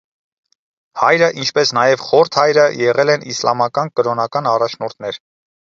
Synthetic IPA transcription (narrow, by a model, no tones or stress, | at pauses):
hɑjɾəʔint͡ʃʰpɛsnɑjɛvχɔɾt̪ʰhɑjɾəjɛʁɛlɛnislɑmɑkɑnkəɾɔnɑkɑnɑrɑt͡ʃʰnɔɾt̪ʰnɛɾ